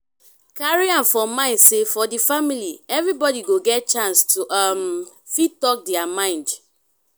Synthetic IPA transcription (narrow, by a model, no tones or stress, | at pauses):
kaɹiãmfɔmãɪ̃ndsefɔdifamiliɛvɹibɔdiɡoɡɛt̚t͡ʃãnstuʔam | fittɔk̚dɛamãɪ̃nd